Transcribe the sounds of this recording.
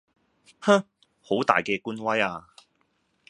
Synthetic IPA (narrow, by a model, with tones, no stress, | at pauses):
ha˥ | ho˨˥wt̪a̰ː˨jkɛː˧kuː˥nwɐ˥jaː˧